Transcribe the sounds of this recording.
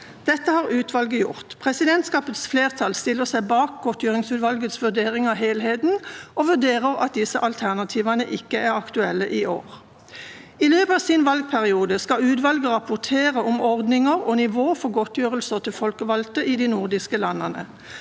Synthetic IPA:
d̪̥ɛt̪ːəhɑːʁʉːt̪ʋɑlɡəjʊ̰ʁt̪pʰʁɛsɪd̪ɛnt̪skɑːpət̪sfleːʁt̪ʰɑlst̪ɪlːəʁsæɪbɑːk̚ɡɔt̪ʰjøːʁɪŋsʉːt̪ʋɑlɡət̪sʋʉd̪eːʁɪŋɑʋɦeːlɦeːt̪n̩oʋʉʁd̪eːʁəʁɑ̰t̪̚d̪ɪsəʔɑlt̪ʰæʁnɑt̪ʰiːʋɑnəʔɪkːəæʁɑkt̪ʉɛlːəʔiʔo̰ːʁ | ɪløːpɑːʋsiːnʋɑlɡ̚pʰæʁɪuːd̪əskɑʉːt̪ʋɑlɡəʁɑpʊʁt̪ʰeːʁəʔɔmɔʁd̪nɪŋəʁɔnɪʋoːfɔʁɡɔt̪jøːʁəlsəʁt̪ʰɪlfɔlkəʋɑlt̪əʔid̪iːnʊʁd̪ɪskəlɑnːɑnə̰

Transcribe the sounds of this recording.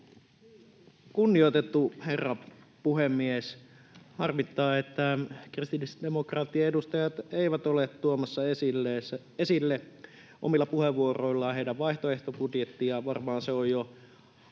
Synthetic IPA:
kunːiot̪et̪ːuherːɑ | puhemːies | hɑrmit̪ːɑːet̪ːækrist̪iisdemokrɑt̪ːiɑedust̪ɑjɑt̪eˑiʋæt̪olet̪tuomɑsːɑesile | esilːe | ʔo̰milːɑpuheʋːuoroilːɑɑɦeidæʋʋɑiht̪oeht̪opudjet̪ːijɑʋɑrmɑːnseojjo

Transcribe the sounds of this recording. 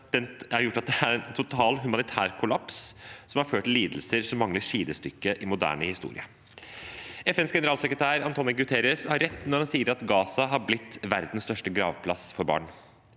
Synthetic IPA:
d̪̥ɛnæɾjʊʈːɑt̪̚d̪ɛæɾɛnt̪ʰʊt̪ʰɑːlɦʉmɑnɪt̪ʰæːɾkʰʊlɑpssɔmɑɾføːʈ̪ːɪlːiːd̪l̩səɾsɔmːɑŋləʂiːd̪əst̪ʏkːəʔɪmʊd̪æ̰ːɳəhɪst̪ṵːɾɪ̰ə | ɛfɛnsɡɛnəɾɑːlsəkɾət̪ʰæːɾɑnt̪ʰoːnəɡʉt̪ʰɛːɾəshɑɾːɛt̪ːnɔɾhɑnsiːəɾɑt̪ɡɑːsɑɦɑɾblɪt̪ːʋæɾd̪n̩st̪œʂʈəɡɾɑ̰ːʋpʰlɑsfɔɾbɑ̰ːɳ

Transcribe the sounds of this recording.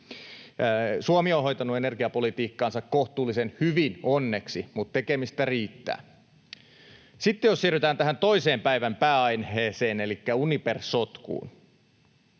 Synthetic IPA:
suomionɦo̞jt̪ɑnːuenerɡiɑpolit̪iːkːɑːnsɑkkoht̪uːlːisenhyʋinonːe̞ksimut̪t̪ːe̞kemist̪æriːt̪ːæ̰ː | sit̪ːejossiryt̪æːnt̪æɦænt̪o̞iseːmpæiʋæmpæːɑjnhɦeːseːnelikːæuniperssot̪kṵːn

